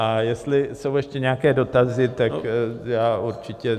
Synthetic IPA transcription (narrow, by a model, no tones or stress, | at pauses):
ajɛst̪lɪso̞wjɛʃcɛɲɛakɛːdo̞t̪azɪt̪akjaːʔuɾt͡ʃɪcɛ